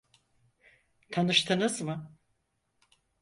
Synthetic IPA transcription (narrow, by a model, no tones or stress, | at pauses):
t̪ʰanɯʃt̪ʰɯnɯzmɯ